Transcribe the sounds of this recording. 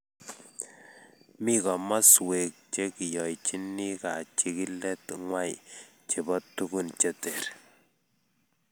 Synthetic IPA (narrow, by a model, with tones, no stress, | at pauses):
mi˦kɔ˨ma˦swe˨k̚t͡ʃe˦ki˨jɔ˨jt͡ʃi˦nːi˦ka˨t͡ʃi˦ki˦lɛ˦tŋwa˦j̰ | t͡ʃe˨bɔ˦tːu˦ku˦nt͡ʃe˦te˨ɾ